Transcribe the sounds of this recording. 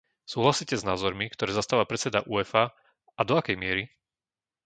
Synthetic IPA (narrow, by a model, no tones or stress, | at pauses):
suːɦlasiːcɛznaːzɔɾmikt̪ɔɾɛːzast̪aːʋapɾɛt̪t͡sɛd̪aʔuːɛfa | ad̪ɔakɛjmɪɛɾi